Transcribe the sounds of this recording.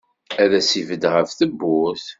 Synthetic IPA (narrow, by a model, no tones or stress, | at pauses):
æðæsivəd̪ʁəfθəbːʊθ